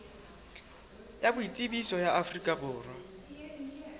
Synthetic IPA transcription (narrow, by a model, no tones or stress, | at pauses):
jabʊitʼɪbisɔjaafrikʼabʊːrwa